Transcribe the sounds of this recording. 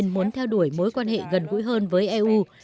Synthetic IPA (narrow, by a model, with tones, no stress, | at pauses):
nmu˨˦nt̪ʰɛ˧wɗu˧˩əjmo˨˦jkwaː˧nhḛ˧˨ɣə˨˩nɣṵ˧˥jɦəː˧nvəː˨˦jʔɛ˧ʔu˧